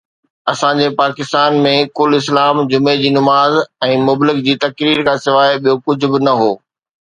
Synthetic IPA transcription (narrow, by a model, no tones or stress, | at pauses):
ɐsãd͡ʑepaːkɪst̪aːnmẽkʊlɪs̬laːmd͡ʑʊmed͡ʑiːnʊmaːzɛ̃ːmʊblɪk̚d͡ʑiːt̪ɐkɾiːɾkʰãːsɪʋaːɪɓijokʊd͡ʑʱʊ̆bɪnɐɦoː